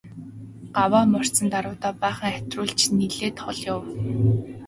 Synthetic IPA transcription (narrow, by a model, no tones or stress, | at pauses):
ɢ̥awaːmɔr̥t͡sə̆nt̪aɾʊːt̪aːpæːχə̆ŋæ̥t̪rʊːɮt͡ɕniɮeːt̪χɔɮjʊw